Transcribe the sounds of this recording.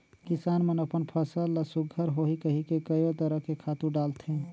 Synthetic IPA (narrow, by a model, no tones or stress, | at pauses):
kisaːnmenəpənpʰəsəlːəsuɡʱəɾɦoɦikəɦikekəjot̪əɾəɦkekʰat̪uɾɖalt̪ʰẽ